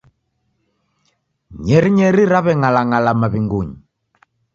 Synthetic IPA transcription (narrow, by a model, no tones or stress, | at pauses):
ɲɛɾiɲɛɾiɾaβɛŋalaŋalamaβiŋɡuɲi